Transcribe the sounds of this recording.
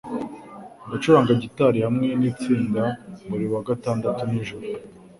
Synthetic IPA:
ɡat͡ʃuɾaːŋɡaɟitaɾihamŋe̞niːt͡siːndaβuɾiwaɡataːndatuniʒuɾu

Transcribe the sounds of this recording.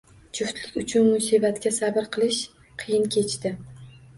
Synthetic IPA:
t͡ʃʰʊft̪lɪkʲʊt͡ʃʰʊnmʊsibat̪kʲasabɪɾqʰɨlˠɪʃ | qʰɨjɪnkʲʰe̞t͡ʃt̪ɪ

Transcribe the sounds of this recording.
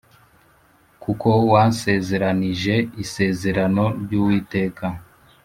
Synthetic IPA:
kuko̞wase̞ːze̞ɾaniʒe̞ise̞ːze̞ɾano̞ɾɟuːwiːte̞ːkʰa

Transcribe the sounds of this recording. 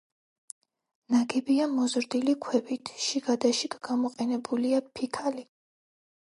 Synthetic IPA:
naɡɛbiamɔzɾd̪ilikʰwɛbit̪ʰʃiɡad̪aʃikɡamɔqʼɛnɛbuliapʰikʰali

